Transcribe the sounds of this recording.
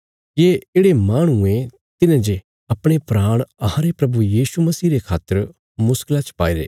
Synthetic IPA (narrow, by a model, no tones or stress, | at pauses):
jeːeːɽemaːɽ̃uẽ | t̪ɪnãd͡ʒe | ɐpɽ̃epɾaːɽ̃ɐɦãɾepɾɐbujiːʃumɐsiːɾekʰaːt̪ːəɾ | mʊsklat͡ʃpa̰ːiɾḛː